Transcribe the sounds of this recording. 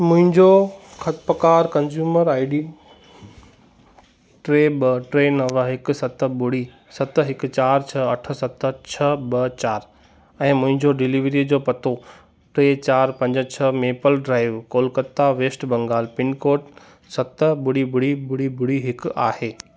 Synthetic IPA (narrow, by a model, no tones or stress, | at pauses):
mʊ̃ɦɪ̃ɲd͡ʑokʰɐt̪pəkaːɾkɐ̃nzjuːməɾaːɪɖiː | ʈɾeːɓɐʈɾeːnɐʋɦɪksɐt̪ə̆bʊɽi | sɐt̪̆ɦɪkʊ̆t͡ɕaːɾt͡ɕʰɐɐʈʰə̆sɐt̪ə̆t͡ɕʰɐbɐt͡ɕaːɾ | ɛ̃ːmʊ̃ɦɪ̃ɲd͡ʑoɖɪliʋɾid͡ʑoːpɐt̪ʰo | ʈɾeːt͡ɕaːɾpɐ̃ɲd͡ʑt͡ɕʰɐmeːpəlɖɾaːɪʋkoːlkət̪ːaʋeːsʈbɐ̃ŋɡaːlpɪnkoːʈ | sɐt̪bʊɽibʊɽibʊɽibʊɽiɦɪka̰ːheː